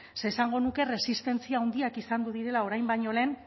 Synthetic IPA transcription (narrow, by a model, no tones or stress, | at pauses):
se̞ːsaŋɡo̞nuke̞re̞sist̪e̞nt͡siaond̪iakisand̪uðiɾe̞lao̞ɾajmbaɲo̞le̞ːn